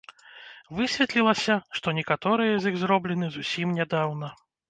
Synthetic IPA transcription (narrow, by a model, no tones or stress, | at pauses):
vɨsʲvʲɛt̪lʲilˠɐsʲɐʂt̪ɔnʲɛkat̪ɔɾɨjɐzjiɣzɾɔblʲɛnɨzusʲimnʲɛd̪awnɐ